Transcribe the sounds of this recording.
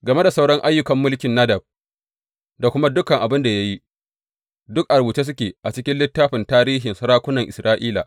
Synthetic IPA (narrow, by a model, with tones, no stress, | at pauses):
ɡɐ˨me˦da˨sa˦wɽɔ˦ŋʔa˦jːʊ˦kɐ˨mːʊ˦lkʲɪ˨nːɐ˦dɐ˨b̚ | da˨kʷʊ˦ma˦dʊ˦kɐ˨ŋʔa˨bɪ˦nda˨ja˦ji˦ | dʊ˦k̚ʔa˨ɾbuː˨t͡ʃeː˦s̬ʊ˦kʲeː˨ʔa˨t͡ʃɪ˦kʲɪ˦nlɪ˦tːaː˦ɸɪ˨ntaː˦ɾiː˦ɦɪ˨nsɐ˦ɾaː˦kʷʊ˦nɐ˨ŋʔɪ˨sɾʔaː˦ʔiː˦la̰˨